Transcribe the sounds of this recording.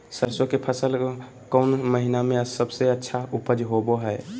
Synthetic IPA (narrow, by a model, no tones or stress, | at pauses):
səɾsokepʰəsəl | kəʊnməɦinamẽsəbseətːʃʰaupəd͡ʒɦoboɦɛj